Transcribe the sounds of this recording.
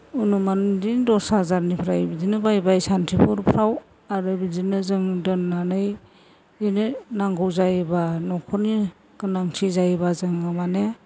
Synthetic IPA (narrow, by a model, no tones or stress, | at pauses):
unumandindɔsazaɾnipʰɾajbizinɯbajbajsantʰipʰuɾpʰɾaw | aɾɯbizinɯzɯŋdɯnːanɯj | inɯnaŋɡɔwzajbanɔkʰɔni | ɡɯnaŋtʰizajbazɯŋɯmane